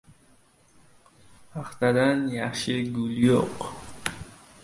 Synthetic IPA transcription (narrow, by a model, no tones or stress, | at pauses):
paχt̪ad̪anjaqʃiɡuljoq